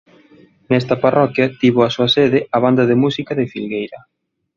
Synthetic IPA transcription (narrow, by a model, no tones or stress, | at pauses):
nɛst̪ɐparʔɔkjɐt̪iβoasuɐseðɪɐβ̞and̪ɐðemusikɐðɪfilɣejɾɐ